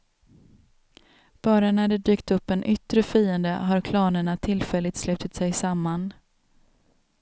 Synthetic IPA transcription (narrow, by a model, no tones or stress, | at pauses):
b̥ɑːɾanæɖɛd̪yːkt̪ɵpːɛnʔʏt̪ɾəfiːənd̪əɦaɾkʰlɑːnəɳat̪ʰɪlfɛlːɪt̪slʉ̟ːt̪ɪt̪sɛjsamːan